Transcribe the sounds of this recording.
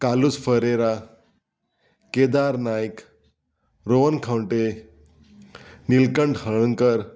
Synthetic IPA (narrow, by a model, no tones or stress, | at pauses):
kalusfəɾeɾa | ked̪aɾnajk | ɾoʋənkʰãwɳʈe | nilkəɳɖhəɭ̃əŋkəɾ